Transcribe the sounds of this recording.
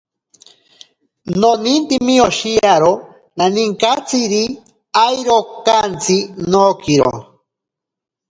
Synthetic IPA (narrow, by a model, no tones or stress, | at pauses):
nonint̪imioʃiaɾo | naniŋkat͡siɾi | ajɾokant͡sinoːkiɾo̰